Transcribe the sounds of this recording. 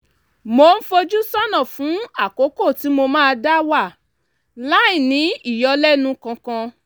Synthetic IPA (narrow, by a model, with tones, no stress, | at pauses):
mo˧n̩˦fo˧d͡ʒu˦sa˦nɔ̃˦˨fũ˨˦a˦˨ko˨˦ko˦˨ti˨˦mo˧mãː˦˧da˦wa˦˨ | la˦i˦˨nĩ˨˦i˦˨jɔ˧lɛ˦nũ˧kã˧kã˧